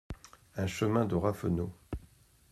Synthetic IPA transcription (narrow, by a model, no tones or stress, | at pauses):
ɛ̃ʃəmɛ̃d̪əʁafə̰no